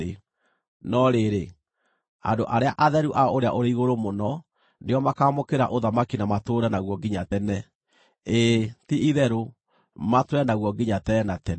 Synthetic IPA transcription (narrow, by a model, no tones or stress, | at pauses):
e | nɔɾeɾe | a̰ndoʔaɾeaʔaðɛɾuʔaɔoɾea̰ʔoɾeiɣoɾomonɔ | neɔmakaːmokeɾaʔoðamakinamatoːɾɛnaɣwɔɡiɲatɛnɛ | etiʔiðɛɾo | matwɾɛnaɣwɔɡiɲatɛnatɛn